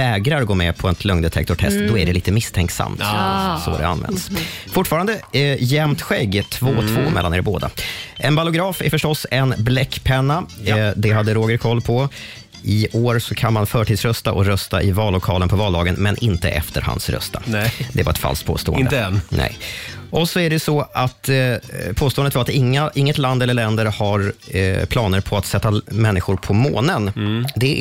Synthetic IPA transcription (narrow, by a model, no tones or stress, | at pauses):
vɛːɡɾaɾɔɡoːmɛpʰɔɛt̪ʰlɵŋnd̪ɛt̪ʰɛ̰k̚t̪ʊʈʰɛ̰st̪d̪ɔæɖɛliːt̪əmɪst̪ʰɛŋksa̰mt̪sɔ̰d̪ɛ̰a̰nːvɛ̰nd̪sfʊʈːfɑːɾand̪əjɛmt̪ɧɛɡːt̪ʰvoːt̪ʰvoːmɛ̰lːanɛɾboːd̪a̰ʔɛnbalʊɡɾɑːfæɾfœʂʈɔsɛnblɛkːpʰɛnːad̪ɛɦad̪ːəɾoːɡəɾkʰɔlːpʰɔ | ʔɪoːɾsɔkʰanmanfœːʈʰiːd̪sɾœst̪aʔɔɾœst̪aʔɪvɑːlːʊkʰɑːlənpʰɔvɑːld̪ɑːɡənmɛnʔɪnt̪ə̰ʔɛ̰ft̪əɾha̰nsɾœ̰st̪a̰d̪ɛva̰ɾɛ̰t̪fa̰lskt̪̚pʰo̰ːst̪oːənnɛ̰jʔɔsɔæɖɛsɔʔat̪pʰoːst̪oːənd̪t̪vaɾat̪ɪŋːaʔɪŋːət̪land̪ɛlːəɭɛnd̪əɾhaɾpʰlɑːnəɾpʰɔat̪sɛt̪ːamɛnːɪɧʊɾpʰɔmo̰ːnənd̪ɛ